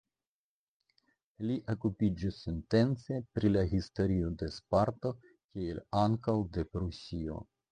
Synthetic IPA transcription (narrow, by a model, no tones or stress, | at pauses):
liʔokupid͡ʒisːente̞nt͡se̞pɾilaɦisto̞ɾio̞de̞spaɾto̞ | kielaŋkawde̞pɾusio̞̰